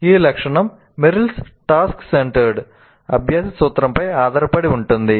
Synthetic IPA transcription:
iːlɐkʂɐɳɐmː | ɪɾɪlsʈaːskseɳʈɐɾɖ | ɐbʱjaːsɐsuːt̪ːɾɐmpɐjaːðaːɾɐpːɐɽiʊɳʈːund̪i

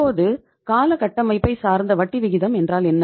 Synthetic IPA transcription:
oːðɯ | kaːlɐkɐʈːɐmɐɪpːɐɪsaːɾnd̪ɐʋɐʈːiʋɪɣɪðɐmɛndraːlɛnːɐ

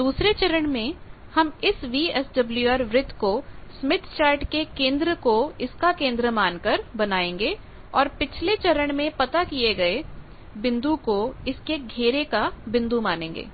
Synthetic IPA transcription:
d̪uːsɾet͡ʃɐɾəɽ̃mẽ | hɐmɪsʋiːɛsɖɐbljuaːɾʋɾɪt̪kosmɪt̪ʰt͡ʃaːɾʈkekẽːnd̪ɾəkoɪskakẽːnd̪ɾəmaːnkɐɾbɐnaːẽːŋɡeː | ɔːɾpɪt͡ʃʰlet͡ʃɐɾəɽ̃mẽpɐt̪akieɡɐe | bɪ̃nd̪ukoɪskeɡʱeːɾekabɪ̃nd̪umaːnẽːŋɡḛː

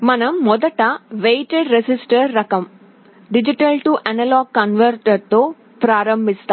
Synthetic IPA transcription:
mɐnɐmːɔd̪ɐʈɐʋejʈeɖɾesisʈɐɾːɐkɐm | ɖid͡ʒiʈɐlʈuʔɐnɐlaːɡ̚kɐnʋɐɾʈɐɾt̪oː | pɾaːɾɐmbʱist̪a

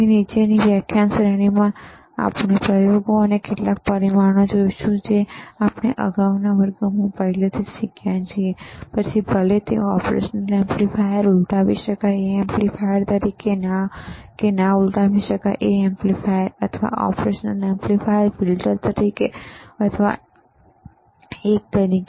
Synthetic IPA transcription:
enit͡ʃeniʋjəkʰːjansɾeɽ̃imã | a̰pnepɾəjoɡoənekeʈlak̚pəɾimaɾnod͡ʒojt͡ʃʰũd͡ʒeapneʔəɡaʋnaʋəɾɡəɦũpəɦilet̪ʰid͡ʒʃikʰjãnt͡ʃʰiepət͡ʃʰibʱəlet̪ḛoɔ̰pɾḛʃənəlɛ̃mplifʰajəɾulʈaʋḭʃəkaeɛ̃mplifʰajəɾt̪əɾikenakenaulʈaʋiʃəkaʔeɛ̃mplifajəɾət̪ʰʋa̰ʔɔ̰pɾeʃənəlɛmplifajəɾfilʈəɾt̪əɾikeət̪ʰəʋa̰ | ek̚t̪əɾi

